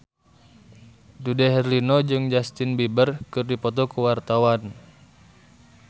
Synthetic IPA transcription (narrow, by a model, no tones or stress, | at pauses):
dudɛɦɛrlinɔd͡ʒɨŋd͡ʒast̪inbibərkɨrdipɔt̪̬ɔkuwart̪awan